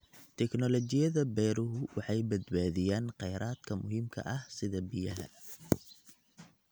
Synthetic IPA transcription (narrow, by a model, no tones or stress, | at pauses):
t̪ʰɛknɔlɔt͡ʃɪjɐðɐbɛjɾʊɦʊwɑħɑjbɐd̪baːðɪjaːnqɛjɾʔaːd̪̥kʰɐmʊɦiːmkʰɐ̰ʔɐhsɪðɐbɪjɐɦɐ̰